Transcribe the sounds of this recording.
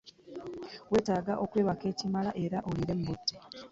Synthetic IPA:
we̞ːtaːɡaʔo̞kwe̞ːβake̞ːcimalaʔe̞ɾaʔoliɾe̞mbutːe

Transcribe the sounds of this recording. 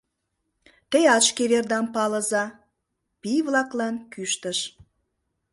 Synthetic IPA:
t̪ejɑt͡ʃkeɾerd̪ɑmpɑləzɑ | piβlɑklɑnkyʃt̪əʃ

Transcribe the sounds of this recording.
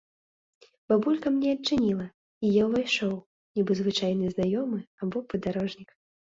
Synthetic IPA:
b̥abulʲkɐmnʲɛɐt͡ʂːɨnʲilˠɐ | ijawvajʂɔw | nʲibɨzvɨt͡ʂajnɨznajɔmɨabɔpɐd̪aɾɔʐnʲik

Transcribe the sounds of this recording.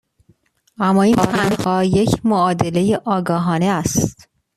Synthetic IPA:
æmːɒːinɾænhɒːje̞cʰmoɒːd̪e̞le̞jeʔɒːɡɒːɦɒːneæstt̪

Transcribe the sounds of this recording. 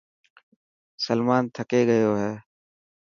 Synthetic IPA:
səlmaːnt̪ʰəkeːɡəjoːɦɛː

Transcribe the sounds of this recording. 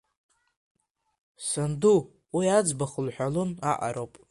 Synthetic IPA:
sandu | wiad͡zbaχəlħʷᶣaluna̰ʔa̰ɾowpʼ

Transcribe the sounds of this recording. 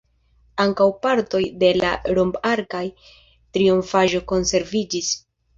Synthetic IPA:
aŋkawpaɾto̞jde̞la̰ɾombaɾkaj | tɾiuɱfaʒo̞ko̞nse̞ɾvid͡ʒis

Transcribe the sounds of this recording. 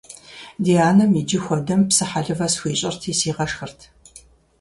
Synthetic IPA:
diaːnɨmid͡ʒɪxʷɔdɐmpsɨħaɮɨvɐsxʷiːɕʼɪrtʰiːsiːʁɐʂxɨrtʰ

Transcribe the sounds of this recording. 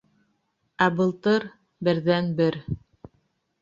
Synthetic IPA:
æbɤ̆lˠt̪ɤɾ | bɘ̆ɾðænbɘɾ

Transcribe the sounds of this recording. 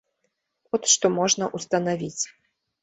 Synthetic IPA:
ɔt̪ʂt̪ɔmɔʐnɐʔust̪ɐnavʲit͡sʲ

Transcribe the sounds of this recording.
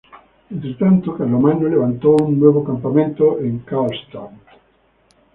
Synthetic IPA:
ẽnt̪ɾet̪ant̪okaɾlomanoleβ̞ant̪owuŋnweβ̞okampamẽnt̪oʔeŋkalst̪oŋ

